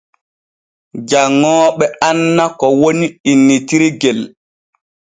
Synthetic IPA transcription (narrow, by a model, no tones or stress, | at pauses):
d͡ʒaŋːɔːɓɛanːakɔwoniinːitiɾiɡel